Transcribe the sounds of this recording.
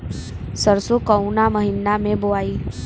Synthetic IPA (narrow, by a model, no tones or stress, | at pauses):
səɾsokəwnaməɦinːamẽboaiː